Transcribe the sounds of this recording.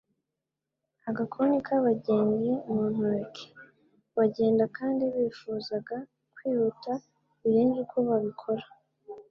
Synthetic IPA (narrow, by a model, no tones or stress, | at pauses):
aɡakʰonikaβaɟeːɲɡimuːn̥aɾkʰe̥ | βaɟe̞ːndakʰaːndiβiːfuːzaɡa | kwiːβuta | iɾeːnd͡ʒukʰuβaβikʰo̞ɾḁ